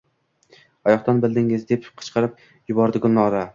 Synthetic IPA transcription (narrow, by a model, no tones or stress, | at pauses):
ɒjɒχt̪anbɪld̪ɪŋɪzd̪e̞pqʰɨ̥t͡ʃqʰɑɾɪp̚ | jʊbɒɾd̪ɪɡʊnːɒɾa